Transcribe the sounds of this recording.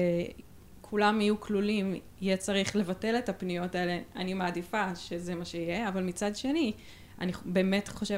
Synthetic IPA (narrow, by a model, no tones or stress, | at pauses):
e | kʰulamijukʰlulim | ijet͡saʁiχle̞vate̞le̞tapnijo̞taele̞animaːdifaʃezemaʃeijeavalmit͡sadʃe̞ni | a̰nibeːme̞tχoʃe